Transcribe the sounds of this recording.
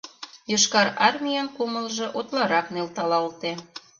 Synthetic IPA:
jɤʃkɑɾɑrmʲijɑnkumə̆lʒĕʔot̪lɑɾɑknelt̪ɑlɑlt̪e

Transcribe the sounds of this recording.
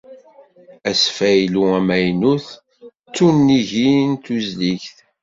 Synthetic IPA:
æsfæjluæmæjnuθ | t͡sːunːiʝint̪uzliçθ

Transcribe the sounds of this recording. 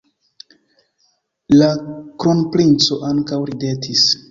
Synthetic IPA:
lakɾonplint͡so̞ʔaŋkawɾide̞tʰis

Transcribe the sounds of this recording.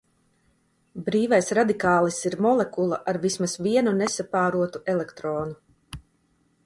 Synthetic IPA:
bɾiːvajsɾad̪ikaːlˠisiɾmɔlˠɛkulˠaʔaɾvismasviɛnunɛsapaːɾuɔt̪uʔɛlˠɛkt̪ɾoːnu

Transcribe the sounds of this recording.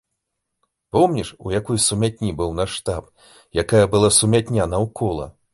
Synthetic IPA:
pɔmnʲiʂṵjakɔjsumʲat̪̚ʲnʲibɨwnaʂt̪ap | jakajɐbɨlˠasumʲat̪ʲnʲanɐwkʰɔlˠɐ̰

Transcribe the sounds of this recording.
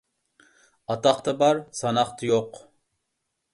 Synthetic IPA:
ɑt̪ɑχt̪ɑbɑɾsɑnɑχt̪ʰɨjoq

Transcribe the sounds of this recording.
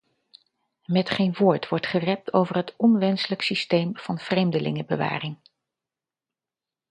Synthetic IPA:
mɛtχenʋoːɹtʋɔɹtχərɛp̚tʰowvərɦətɔnʋɛnsələksistejmv̥ɑnv̥rejmdəlɪ̰ŋəbə̰ʋa̰ːrɪŋ

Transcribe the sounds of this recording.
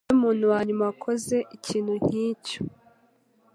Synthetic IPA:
umuːnuwaːɲumawakʰo̞ze̞ʔiciːn̥huɲ̥iːco̥

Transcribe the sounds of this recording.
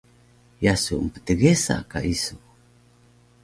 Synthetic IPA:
jasumpə̥t̪əɡesa̰kaʔisu

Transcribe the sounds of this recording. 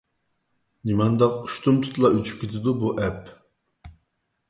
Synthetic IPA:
nimɛnd̪ɑqu̥ʃt̪umt̪ʰu̥t̪lˠɑyt͡ʃʰy̥p̚kʲʰet̪ʰɪd̪ubuʔɛp

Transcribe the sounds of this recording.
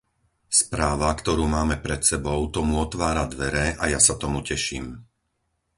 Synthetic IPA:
spɾaːʋakt̪ɔɾuːmaːmɛpɾɛt̪sɛbɔʊt̪ɔmuɔt̪ʋaːɾad̪ʋɛɾɛʔajasat̪ɔmucɛʃḭːm

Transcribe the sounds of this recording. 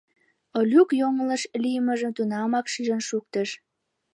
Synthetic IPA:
olʲukjoŋələʃlijməʒəmt̪unɑmɑkʃiʒənʃuk̚t̪əʃ

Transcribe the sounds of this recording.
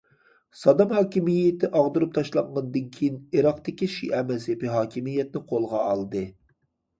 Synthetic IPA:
sɑd̪ɑmhɑːkʲimijɪt̪ʰɪʔɑʁd̪uɾup̚t̪ʰɑʃlˠɑɴʁɑnd̪ɨnkʲʰijiniɾɑqt̪ɪkʲiʃḭʔɛmɛlsepiɦɑːkʲimijɛt̪nɪqʰolˠʁɑːlˠd̪ɨ

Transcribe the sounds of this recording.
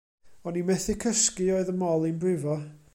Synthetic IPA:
ɔnimɛθɪkʰəskɨoɨðəmɔlˠinbrɪvɔ

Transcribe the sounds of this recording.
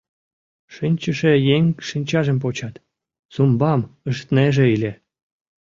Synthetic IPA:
ʃinʲt͡ɕəʃejeŋʃinʲt͡ɕɑʒəmp̬ot͡ɕɑt̪ | sumbɑməʃt̪neʒeilʲe

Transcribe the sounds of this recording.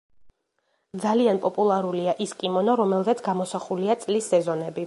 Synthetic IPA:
d̪zalianpʼɔpʼulˠaɾuliaʔiskʼimɔnɔɾɔmɛlˠzɛt̪sʰɡamɔsaχuliat̪sʼlisːɛzɔnɛbi

